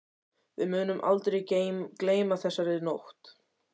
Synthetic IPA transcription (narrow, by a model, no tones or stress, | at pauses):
vɪ̰ðmʏːnʏmʔa̰lt̪ɾejkleːjmaθɛsːaɾɪðnowht̪